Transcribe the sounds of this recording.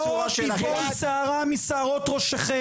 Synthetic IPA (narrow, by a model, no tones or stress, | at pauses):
omisaːʁamisaːʁot̪ʁoʃaχe